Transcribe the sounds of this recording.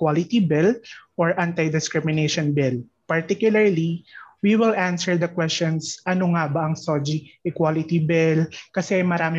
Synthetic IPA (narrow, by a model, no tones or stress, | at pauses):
kwalɪt̪ibɪlʔɔɹʔant̪ɐjd̪ɪskɾɪmɪnejʃɔnbɪl | pɐɹt̪ikjʊlɐɹliwiwɪlʔansɛɹd̪ɐkwɛst͡ʃɔnsʔɐnoŋabɐʔɐŋsod͡ʒiʔɪkwalɪt̪ibɪlkɐsɛɐjmɐɾaːmɪ